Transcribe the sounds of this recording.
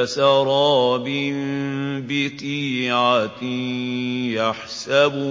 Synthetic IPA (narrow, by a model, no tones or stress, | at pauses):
sɑɾˤɑːbɪmbɪt̪iːʕa | jaħsab